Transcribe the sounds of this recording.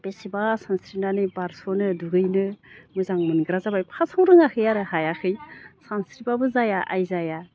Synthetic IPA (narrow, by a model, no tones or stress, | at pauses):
b̥esibasanskɾinanɯbaɾsonɯduɡɯjnɯmɯzaŋmɯnɡɾazabajpʰasʰaŋɾɯŋakʰɯjaɾɯhajakʰɯjsansɾibabɯzajaʔa̰jzaja